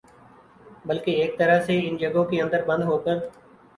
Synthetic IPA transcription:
bəlkeːeːk̚t̪əɾəɦseːɪnd͡ʒəɡõːkeːə̃nd̪əɾbə̃nd̪ɦoːkəɾ

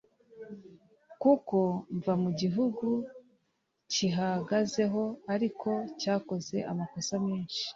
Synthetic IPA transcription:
kuko̞ɱvamuɟiɦuɡu | ciɦaɡaze̞ɦo̞aɾikʰo̞caːko̞ze̞̰ʔa̰mako̞sameːnʃi̥

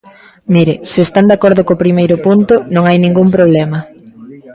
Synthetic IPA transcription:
miɾɪsɪeːst̪and̪akɔɾðʊkopɾimejɾʊpunt̪ʊnõŋajnĩŋɡumpɾoβ̞lɛmɐ

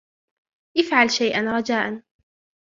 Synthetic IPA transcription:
ʔɪfʕalʃajʔanɾˤɑd͡ʒaːʔan

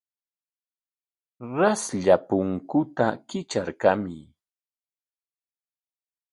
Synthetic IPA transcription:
ɾasʎapʊŋkʊt̪akɪt͡ʃaɾkamɪ

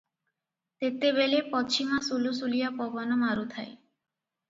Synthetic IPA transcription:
t̪et̪ebelepɔt͡ʃʰimasulusulijapɔbɔnɔmaɾut̪ʰae

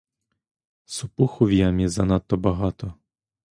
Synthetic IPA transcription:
sʊpuxɔʋʲijamʲɛzɐnat̪ːɔbɐɦɑt̪ɔ

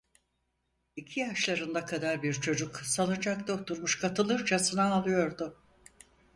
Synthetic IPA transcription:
icʰijaʃlˠaɾɯnd̪akʰad̪aɾbiɾt͡ʃʰo̞d͡ʒuksalˠɯd͡ʒak̚d̪o̞k̚t̪uɾmuʃkʰat̪ɯlˠɯɾt͡ʃʰasɯnaːlˠɯjo̞ɾd̪ʊ

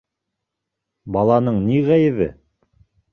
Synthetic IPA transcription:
bɑlˠɑnɤɴniʁæjɘ̆βɘ̰

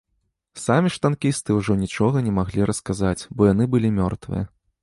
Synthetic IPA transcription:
samʲiʂt̪ankʲist̪ɨuʐɔnʲit͡ʂɔɣɐnʲɛmaɣlʲiɾɐskazat͡sʲbɔjan̪ɨbɨlʲimʲɔ̰rt̪vɨ̰jɐ

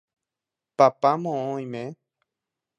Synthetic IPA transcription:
papamõõj̃mẽ

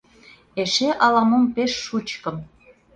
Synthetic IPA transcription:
eʃeʔɑlɑmompeʃːut͡ɕkɤ̆m

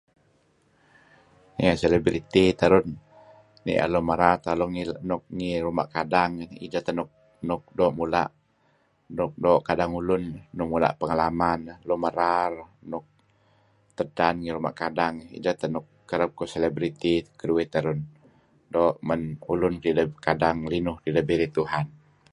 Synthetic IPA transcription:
iŋaselebɾit̪it̪əɾʊnː | ḭʔa̰lɔməɾart̪alɔŋinʊk̚ŋiɾumaʔkadaŋḭd͡ʒat̪ənʊk̚ | nʊk̚dɔːʔmula̰ʔ | nʊk̚dɔːʔkadaŋulʊnnʊk̚mula̰ʔpəŋalamanlɔməɾarnʊk̚ | t̪ədanŋiɾuma̰ʔkadaŋḭd͡ʒat̪ənʊkːəɾəp̚kɔselɛbɾit̪ikəduit̪əɾʊn | dɔːʔmənulʊnɾidəkadaŋlinʊhtidəbiɾit̪uɦan

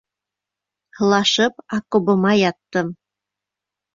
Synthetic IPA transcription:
hɤ̆lˠɑʃɤp̚ɑkobɤ̆mɑjɑt̪ːɤ̆m

